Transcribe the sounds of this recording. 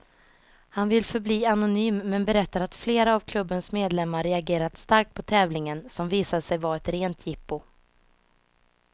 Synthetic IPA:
hanvɪlfœɾbliːanʊnyːmːɛnbɛɾɛt̪ːaɾat̪fleːɾaːvkʰlɵbːənsmeːd̪lɛmːaɾːɛaɡeːɾat̪st̪aɾk̚t̪̚pʰɔt̪ʰɛːvlɪŋənsɔmviːsad̪sɛjvaːɛt̪ɾeːnt̪ʰjɪpːʊ

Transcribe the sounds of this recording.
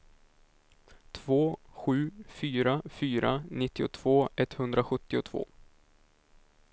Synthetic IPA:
t̪ʰv̥oːɧʉ̟ːfyːɾafyːɾa̰nɪt̪ːɪʊt̪ʰv̥oːɛt̪ːhɵnd̪ɾaɧɵt̪ːɪʊt̪ʰv̥o̰ː

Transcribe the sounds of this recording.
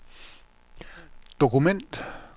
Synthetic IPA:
d̪̥okumẽnt̪

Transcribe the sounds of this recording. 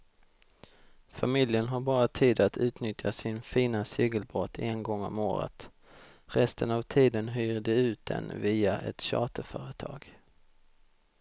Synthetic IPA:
famɪljənɦaɾbɑːɾat̪ʰiːd̪at̪ʰʉ̟ːt̪nʏt̪ʰjasɪnfiːnaseːɡəlbɾɔt̪ʰːɛnɡɔŋːɔ̰mo̰ːɾə̰t̪ | ɾɛst̪ənavt̪ʰiːd̪ənɦœːɾd̪ɛʉ̟ːt̪̚d̪ɛ̰nviːaʔɛ̰t̪ɕɑ̰ːt̪əfœːɾət̪ʰɑ̰ːɡ̥

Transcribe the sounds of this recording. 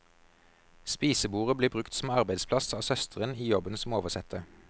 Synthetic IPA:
spiːsəbuːʁəbliːbʁʉkt̪sm̩ɑʁbæɪd̪spʰlɑsɑːʋsœst̪ʰəʁəniːjɔbənsmoːʋəʁsɛt̪ʰə

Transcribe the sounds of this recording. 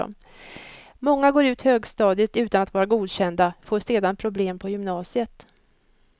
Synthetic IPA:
m | mɔŋːaɡoːɾʉ̟ːt̪høːɡst̪ɑːd̪ɪt̪ʉ̟ːt̪anat̪vɑːɾaɡuːd̪ɕɛnd̪afoːseːd̪anpʰɾʊbleːmpʰɔjʏmnɑːsɪət̪

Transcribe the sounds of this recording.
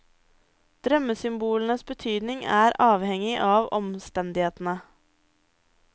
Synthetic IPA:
d̪̥ɾœməsʏmbuːlən̩əsbət̪ʰyːd̪nɪŋæːɾʔɑːʋhɛŋɪʔɑːʋɔmst̪ɛnd̪ɪheːt̪n̩ə

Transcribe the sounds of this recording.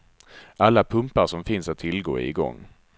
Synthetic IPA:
ʔalːapʰɵmpaʂɔmfɪnsat̪ʰːɪlɡo̰ːɪ̰ɡɔ̰ŋː

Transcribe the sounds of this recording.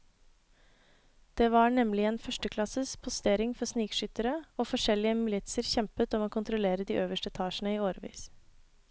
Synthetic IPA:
d̪̥eːʋɑːɳɛmlɪeːnfœʂʈəkʰlɑsəspʰʊst̪eːɾɪŋfɔɾsniːkʃʏt̪əɾəoːfɔʂɛlɪəmɪlɪt̪səɾçɛmpət̪ɔmoːkʰʊnt̪ɾʊleːɾəd̪iːʔøːʋəʂʈəɛt̪ʰɑːʃn̩əiːoːɾəʋḭːs

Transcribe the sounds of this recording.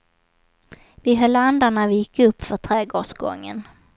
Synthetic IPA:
vɪɦœlːand̪aɳavɪjɪkʰːɵpːfœʈʰɾeːɡo̰ːʂɡɔ̰ŋːə̰n

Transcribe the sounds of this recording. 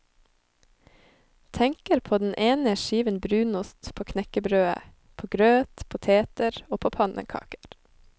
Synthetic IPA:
t̪ʰɛŋkəɾpʰoːd̪n̩ʔeːnəʃiːʋənbɾʉːnʊst̪pʰoːkʰnɛkəbɾøːə̰ | pʰoːɡɾøːt̪pʰʊt̪ʰeːt̪əɾoːpʰoːpʰɑnʔə̰kʰɑ̰ːkə̥ɾ

